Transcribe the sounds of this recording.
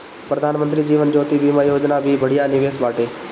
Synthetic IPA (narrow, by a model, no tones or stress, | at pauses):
pɾəd̪ʱaːnmənt̪ɾiːd͡ʒiːʋənd͡ʒoːt̪ibʱiːmajoːd͡ʒnabʱiːbəɽ̤ijanɪʋeːsbaːʈeː